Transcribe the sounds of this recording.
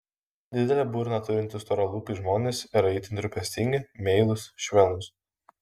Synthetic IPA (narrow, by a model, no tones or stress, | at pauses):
d̪ʲɪd̪ʲɛlʲɛbuːɾʲnɐt̪ʊɾʲɪnʲt̪ʲɪst̪ɔɾolˠuːkʲɪʒmoːnʲesɪɾɛɪt̪ʲɪnɾʲʊpʲɛsʲt̪ʲɪŋʲɡʲɪmʲɛɪlˠʊsʃʲʋʲɛlʲˠʊs